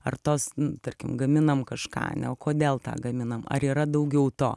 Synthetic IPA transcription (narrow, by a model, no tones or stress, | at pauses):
ɐrt̪oːsnʊt̪ɐrʲkʲɪmɡɐmʲɪnɐmkɐʃkɑ̰ːnʲɛoːkoːd̪ʲeːlˠt̪ɑ̰ːɡɐmʲɪnɐmɐ̰ɾiːɾɐd̪ɐʊɡʲɛʊt̪o̰ː